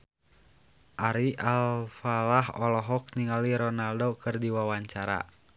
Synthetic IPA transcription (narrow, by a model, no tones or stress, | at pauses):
ʔaɾiʔalfalaɦɔ̰lɔɦɔk̚niŋaliɾɔnaldokɨrdiwawaɲt͡ʃaɾa̰